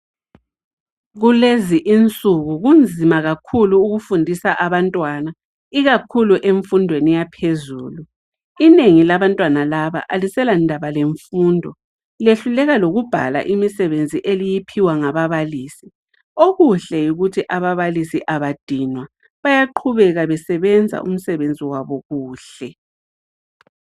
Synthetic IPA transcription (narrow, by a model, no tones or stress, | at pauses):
ɣuleziʔint͡sʼuɣuɣund͡zʱimaɣakʰuluːɣufundʱisaʔaβantʼwana | iɣakʰuluʔeɱfundʱwenijapʰezṵːlu | ineŋilaβantʼwanalaβa̰ʔalisɛlandʱaβaleɱfuːndʱɔ | leɬulɛɣaloɣub̥ʱa̰la̰ʔimisɛβend͡zʱiʔelijipʰiwaŋaβaβaliːsi̥ | oɣuɬɛjuɣutʰiʔaβaβalisiʔaβad̥ʱinwa | βajaǃʰuβɛɣaβɛsɛβɛnd͡zʱa̰ʔṵm̩sɛβend͡zʱiwaβɔɣuːɬɛ